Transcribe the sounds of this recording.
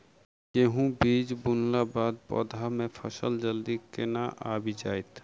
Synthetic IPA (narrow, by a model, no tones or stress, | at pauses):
jeɦũbiːd͡ʒbʊnlabaːd̪̚pɔ̰ːd̪ʱamẽpʰəsəld͡ʒəld̪ikɪnaʔaːbid͡ʒaːɪt̪ʰ